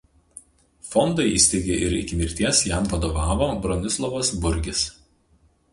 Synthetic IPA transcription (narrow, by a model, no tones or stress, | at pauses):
fɔnd̪ɐɪḭːsʲt̪ʲɛɪɡʲeʔɪɾɪkʲɪmʲɪɾʲt̪ʲiɛsjæmʋɐd̪oʋɑːʋoːbɾɔnʲɪslˠɔʋɐsbʊɾʲɡʲɪs